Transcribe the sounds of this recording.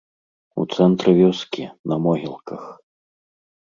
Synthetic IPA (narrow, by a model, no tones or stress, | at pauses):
ṵt̪sɛnt̪ɾɨvʲɔskʲinɐmɔɣʲilˠkɐx